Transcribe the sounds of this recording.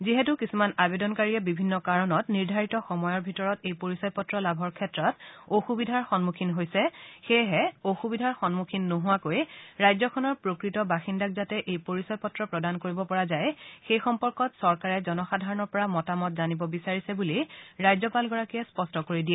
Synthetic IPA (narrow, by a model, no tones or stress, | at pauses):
ziɦɛtukisumanabedɔnkaɹiɛbibʱinːɔkaɹɔnɔtniɹdʱaɹitɔxɔmɔjɔɹbʱitɔɹɔtejpoɹisɔjpɔtɹɔlabʱɔɹkʰɛtɹɔtoxubidʱaɹxɔnmukʰinɦojsɛxeɦɛoxubidʱaɹxɔnmukʰinːoɦʊwakojɹajzɔkʰɔnɔɹpɹokɹitɔbaxindakzatɛʔejpoɹisɔjpɔtɹɔpɹɔdankoɹibɔpɔɹazajxejxɔmpɔɹkɔtsɔɹkaɹɛzɔnɔxadʱaɹɔnɔɹpɔɹamɔtamɔtzanibɔbisaɹisɛbuliɹajzɔpalɡɔɹakiɛspɔstɔkoɹidiɛ